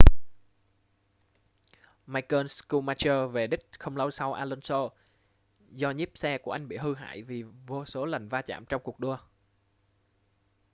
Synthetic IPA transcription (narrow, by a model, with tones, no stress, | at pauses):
maː˧jkəː˧nsku˧maː˧t͡ɕəː˧ve˨˩ɗï˦˥k̟̚xə˧wŋ͡mlə˧wsa˧wʔaː˧lo˧nso˧ | zɔ˧ɲi˦˥p̚sɛ˧ku˧˩əʔa˧ŋ̟ɓḭ˧˨ɦɨ˧ɦa̰ː˧˨jvi˨˩vo˧so˨˦lə˨˩jŋ̟vaː˧t͡ɕa̰ː˧˨mt͡ɕɔ˧wŋ͡mku˨˩ək̚ɗu˧ə